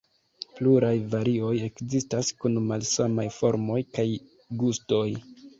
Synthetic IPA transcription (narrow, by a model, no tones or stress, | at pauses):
pluɾajvaɾio̞je̞kzistaskunmalsamajfo̞ɾmo̞jkaj | ɡusto̞j